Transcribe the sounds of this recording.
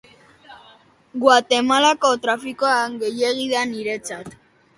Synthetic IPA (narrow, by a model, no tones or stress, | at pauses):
ɡwat̪e̞malako̞t̪ɾafiko̞aŋɡe̞je̞ɣ̞iðaniɾe̞t͡sat̪